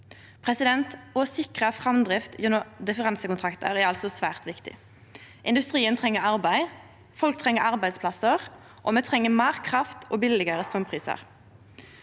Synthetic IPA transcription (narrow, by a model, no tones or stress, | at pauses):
pʰʁɛsɪd̪ɛnt̪ɔsɪkʁəfʁɑmd̪ʁɪft̪jɛnːɔd̪ɪfəʁɑnsəkʊnt̪ʰʁɑkt̪ə̰ʁæɾɑlsɔsʋæːʁt̪ʋɪkt̪ɪ̰ | ʔɪ̰nd̪ʉst̪ʁiːənt̪ʰʁɛŋːəɾɑʁbæɪ | fɔlk̚t̪ʰʁɛŋːəɾɑʁbæɪd̪spʰlɑsəʁ | ʔɔmɛt̪ʰʁɛŋːəmæːʁkʰʁɑft̪ʰoːbɪlɪɡəʁəst̪ɔmpʰʁiːsə̰ʁ